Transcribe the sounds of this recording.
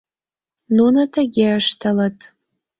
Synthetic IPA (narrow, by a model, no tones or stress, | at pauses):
nunatʰaɡʲeaʂtʰalatʼ